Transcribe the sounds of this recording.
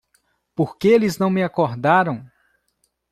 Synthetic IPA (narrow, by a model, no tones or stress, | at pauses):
poɾkeelɪznɐ̃w̃mɪakoɾd̪aɾɐ̃w̃